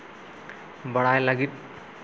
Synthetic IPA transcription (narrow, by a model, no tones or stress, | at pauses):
bəɽajlaɡit̪̚